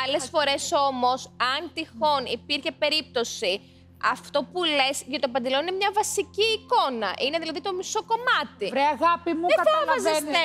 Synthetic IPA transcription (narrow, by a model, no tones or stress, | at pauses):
ɐle̞ssfo̞ɾe̞so̞mo̞sɐnt̪ixo̞nipiɾçe̞pe̞ɾip̚t̪o̞si | ɐft̪o̞pule̞sʝɐt̪opɐnd̪elo̞ninemɲɐvɐsiciːko̞nɐ̰ʔine̞ðilɐðit̪omiso̞ko̞mɐt̪iɾeɐɣɐpimueɐteɐlɐɐzene